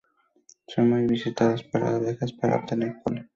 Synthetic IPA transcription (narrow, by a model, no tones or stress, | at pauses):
sonmujβisit̪aðospaɾa̰βexaspaɾa̰op̚t̪eneɾkola